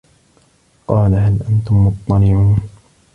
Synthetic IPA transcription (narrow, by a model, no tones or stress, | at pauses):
qɑːlaɦalʔant̪ʊmːʊt̪ˤːɑnɪʕuːn